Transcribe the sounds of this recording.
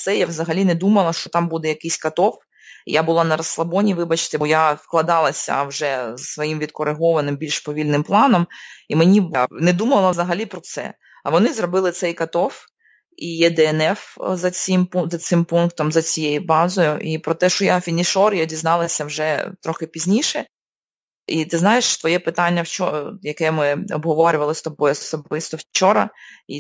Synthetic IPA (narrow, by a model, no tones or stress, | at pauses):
t̪sɛjaʋzɐɦɐlʲinɛd̪umɐlˠɐʃt͡ʃɔt̪ɑmbud̪ɛjɐkɪsʲkɐt̪ɔf | ḭjabʊlˠɑnɐɾɐslˠɐbɔnʲiʋɪbɐt͡ʃt̪ɛbɔjafklˠɐd̪ɑlˠɐsʲɐ̰wʒɛzsʋɔjimʋʲid̪kɔɾɪɦɔʋɐnɪmbʲilʲʃpɔʋʲilʲnɪmplˠɑnɔmimenʲibnɛd̪umɐlˠɐʋzɐɦɐlʲipɾɔt̪sɛ̰ | ɐʋɔnɪzrɔbɪlˠɪt̪sɛjkɐt̪ɔf | ijɛd̪ɛɛnɛfzɐt͡sʲimpuzɐt̪sɪmpunkt̪ɔmzɐt͡sʲijejʊbɑzɔjʊʔipɾɔt̪ɛʃt͡ʃɔjafʲinʲiʃɔrjdʲiznɑlˠɐsʲɐwʒɛt̪ɾɔxɪpʲizʲnʲiʃɛ | it̪ɪznɑjeʃt̪ʋɔjɛpɪt̪ɑnʲːɐwt͡ʃɔjɐkɛmɪɔ̰bɦɔʋɔɾʲʊʋɐlˠɪst̪ɔbɔjʊsɔbɪst̪ɔwt͡ʃɔɾɐ̰i